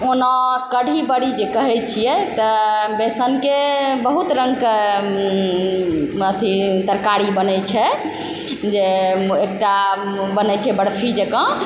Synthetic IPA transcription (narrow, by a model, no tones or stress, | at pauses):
onɔkəɽʱibəɽid͡ʒekəɦɛt͡ʃʰijɛt̪əbesənkebəɦut̪ɾəŋɡk | ət̪ʰit̪əɾkaɾibənɛjt͡ʃʰɛ | d͡ʒeekʈa | bənɛt͡ʃʰɛbəɽpʰid͡ʒekə̃